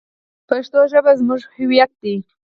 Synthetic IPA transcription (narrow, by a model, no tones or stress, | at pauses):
paʃt̪oʒəbazmuʒhɪwjat̪̚d̪i